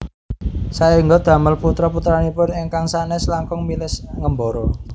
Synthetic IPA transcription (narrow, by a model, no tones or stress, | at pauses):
saeŋɡɔd̪̥a̤məlput̪ɾaput̪ɾanipʊneŋkaŋsaneslaŋkɔŋmilɪsŋəmbɔɾɔ